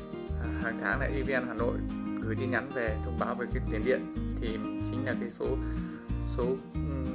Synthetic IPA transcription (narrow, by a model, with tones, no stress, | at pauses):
haː˨˩ŋt̪ʰaː˨˦ŋna̰ː˧˨ʔi˧vi˧ɛː˧nɦaː˨˩no̰˧˨jɣɨ˨˧˩jɗi˧ɲa˨˦nve˨˩t̪ʰə˧wŋ͡mɓaː˨˦wveː˨˩kaː˨˦t̪i˨˦ənɗḭ˧˨ənt̪ʰi˨˩t͡ɕï˨˦ŋ̟laː˨˩kaː˨˦jso˨˦ | so˨˦˨